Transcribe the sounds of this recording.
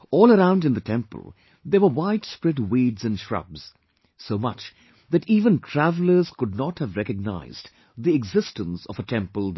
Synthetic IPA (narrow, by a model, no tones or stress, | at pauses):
ɔːlˠəɾãʊ̃ndɨ̃nðətʰɛ̃mpə̰l̩ˠ | ðəwə˞waɪtspɹɛtwiːdzɨ̃nʃɹʌ̰bz̥ | soʊmʌ̰t͡ʃ | ðætiːvə̃ntʰɹ̥ævl̩ˠə˞z̥kʊd̚ⁿnɑthɨvɾɛkɨɡ̚na̰ɪz̥ | ðiɛɡzɪstə̃nsʌvətʰɛ̃mpəlˠ